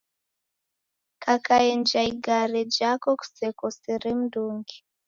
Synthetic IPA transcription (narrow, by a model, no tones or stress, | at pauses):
kʰakaend͡ʒaiɡaɾed͡ʒakɔku̥sɛkɔseɾem̩duːŋɡi